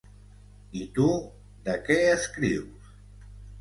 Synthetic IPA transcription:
it̪u | d̪əkɛəskɾiws

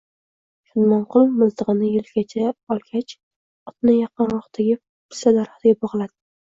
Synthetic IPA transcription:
ʃʊnmɒnqʰʊlˠmʊzt̪ɨʁɨnɪjɪlɡʲat͡ʃʰaɒlˠkʲʰat͡ʃ | ɒt̪nɪjɑqɨnɾʊχt̪ʰaɡʲɪ | pʰɪ̥sad̪aɾχt̪ɪɡʲabɒʁlˠad̪ɪ

